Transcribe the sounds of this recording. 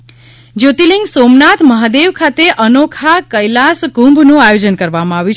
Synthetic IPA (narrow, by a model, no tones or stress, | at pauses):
d͡ʒot̪iliŋɡsomnat̪məɦad̪eʋkʰat̪eʔənokʰakəjlasɡũmbʱnũajod͡ʒənkəɾʋamãaʋjũt͡ʃʰ